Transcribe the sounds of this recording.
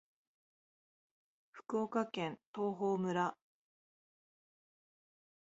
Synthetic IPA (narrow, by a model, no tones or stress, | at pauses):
ɸɯ̟̥kɯoːkakẽ̞nt̪o̞ːɦoːmɯ̟ɾa